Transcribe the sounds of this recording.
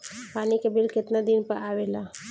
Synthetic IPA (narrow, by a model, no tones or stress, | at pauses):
paːnikebɪlkɪt̪nad̪ɪnpəɾaːʋeːlaː